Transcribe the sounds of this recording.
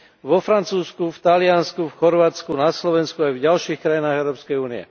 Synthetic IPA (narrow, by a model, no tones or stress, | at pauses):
ʋɔfɾant͡suːskuft̪alɪanskufxɔɾʋaːt͡skunaslɔʋɛnskuajvɟalʃiːxkɾajinaːɣɛʊɾɔːpskɛjuːniɛ̰